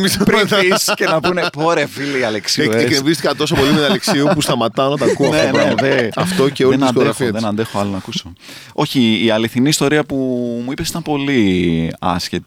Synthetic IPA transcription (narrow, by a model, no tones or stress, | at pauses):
mispɾiisce̞nɐpunepo̞ɾeviliiɐleksieekevist̪ikɐt̪o̞s̬opolimɐleksiupust̪ɐmɐt̪ɐonɐt̪ɐkuneneðeɐft̪oeoenɐneɾɐfoðenɐnd̪e̞xoɐlonɐkuso | o̞çiːɐliθiniːst̪o̞ɾiɐpumuipe̞si̥t̪ɐmpo̞liɐ̰sçet̪i